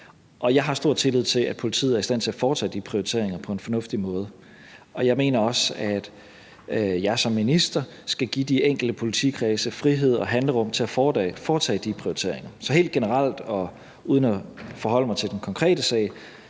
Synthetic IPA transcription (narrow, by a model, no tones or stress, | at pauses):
ʔɒ̽jɑ̈ɪɦɑ̈sd̥o̝ɐ̰d̥t͡sʰe̝lið̞̰ˠt͡sʰe̝læd̥̚pʰo̝lit͡sʰið̩ˠæɐisd̥æn̰t͡sʰe̝læfɒːt͡sʰɛ̰ːd̥ipʰʁioit͡sʰe̝̰ɐ̰e̝ŋɐpʰɒ̽e̝nfɒ̽nɔ̽fd̥imɔ̽ːð̞ˠə | ɒ̽jɑ̈ɪme̝̰ːnɐɒ̽sæd̥ | jɑ̈ɪsɒ̽mːinisd̥ɐ | sɡ̥æɡ̥id̥ieŋ̰ɡ̥l̩d̥əpʰo̝lit͡sʰḭkʰʁɛːsəfʁiɦe̝ð̞̰ˠɒ̽ɦænləʁɔ̽m̰t͡sʰe̝æfɒːfɒːt͡sʰɛ̰ːd̥ipʰʁioit͡sʰe̝̰ɐ̰eŋɐsɒ̽ɦe̝̰ːld̥̚ɡ̥enəʁal̰d̥ɒ̽ | uːð̞ˠənæfɒ̽ɦɒ̽l̰əmɑ̈ɪt͡sʰe̝ld̥enkʰɒ̽ŋkʰʁɛ̰ːd̥əsɛ̰ːɪ